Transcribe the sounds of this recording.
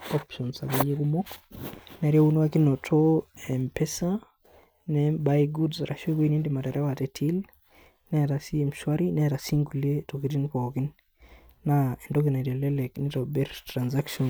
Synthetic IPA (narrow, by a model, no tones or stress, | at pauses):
ɔpʃɔnsaɡajekumɔknaɾjaunwakinɔtʰɔɛmpɛsa | nɛbajɡudsaɾa̰ʃokoinindimataɾawatɛtʰil | nɛaɾasiɛmʃwaɾinɛaɾasiŋɡuletɔkit̬inpɔkinː | aɛndɔkinaɾjalɛlɛknitɔbɛɾtɾanzakʃɔn